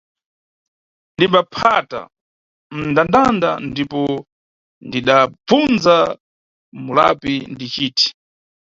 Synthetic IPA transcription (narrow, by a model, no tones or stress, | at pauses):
ndimbapʰata̰ | m̩ndandanda̰ndipɔ | ndiɗab͡vunza | mula̰pindit͡ʃiːtʰi̥